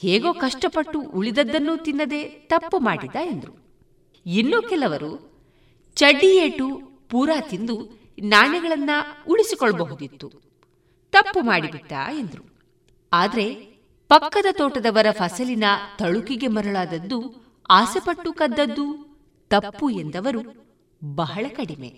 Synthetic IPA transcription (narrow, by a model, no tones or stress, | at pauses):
heːɡo̞ːkɐʂʈɐpɐʈːuʔuɭid̪ɐd̪ːɐnːut̪inːɐd̪e̞t̪ɐpːumaːɽid̪ːaend̪ɐɾu | inːoːkɛlɐʋɐɾu | t͡ʃɐɖːijeːʈu | puːɾaːt̪ind̪u | naːnɛɡɐɭɐnːɐuɭisikɔɭːɐbɐɦud̪it̪ːu | t̪ɐpːumaːɽibit̪ːa̰ːe̞nd̪ɾu | aːd̪ɐɾe̞ | pɐkːɐd̪ɐt̪ɔːʈɐd̪ɐʋɐɾɐpʰɐsɐlinɐt̪ɐɭukiɡe̞mɐɾɐɭaːd̪ɐd̪ːu | aːsepɐʈːukɐd̪ːɐd̪ːu | t̪ɐpːue̞nd̪ɐʋɐɾu | bɐɦɐɭɐkɐɽime̞̰